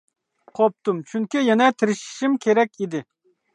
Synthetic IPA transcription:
qʰop̚t̪umt͡ʃʰyŋkʲijɛnɛt̪ʰɪɾɪʃɪ̥ʃimkʲʰeɾɛk̚ʲid̪ɪ

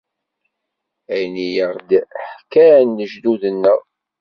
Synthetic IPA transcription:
æjnijəʁˤd̪ħkænːəʒd̪uðənːəʁ

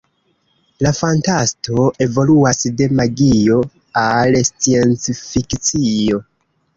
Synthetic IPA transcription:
lafantasto̞e̞vo̞luasde̞maɡio̞ | alst͡sie̞nt͡sfikt͡sio̞

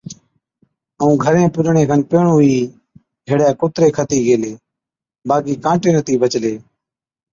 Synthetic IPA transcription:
əũːɡʱəɾẽːpʊɗɳẽːkʰənpeːɳuɦiː | ɡʱeɽjaːkʊt̪ɾeːkʰət̪iːɡeːleː | baːkiːkãːʈeːnət̪ʰiːbət͡ʃleː

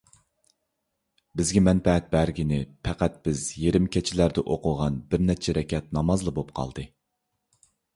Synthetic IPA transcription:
bɪzɡʲɛmɛnpɛɛt̪̚bæɾɡʲinɪpʰɛqæt̪̚b̥ɪzjeɾɪmkʲʰɛt͡ʃʰɪlæɾd̪ɛʔoqʰʊʁɑnbɪɾnɛt͡ʃʰɛɾɛkʲʰɛt̪̚nɑmɑzlˠəbop̚qʰɑ̰lˠd̪ɨ

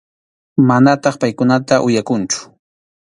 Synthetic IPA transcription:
manat̪ɑχpajkʊnat̪aʔʊjakʊnt͡ʃʊ̥

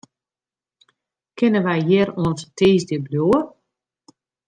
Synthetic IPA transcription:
kʰɪnənʋɛjjɪɾuənstʰiːzdɪbljoər

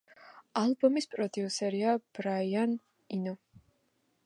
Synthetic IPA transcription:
alˠbɔmispʼɾɔd̪iusɛɾiab̥ɾaian | inɔ

